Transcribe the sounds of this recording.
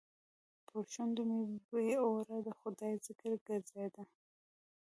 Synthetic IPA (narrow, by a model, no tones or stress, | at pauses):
pʰʊɾʃʊnd̪umeeeoɾad̪əxʊd̪ɑjzɪkəɾɡaɾzajd̪a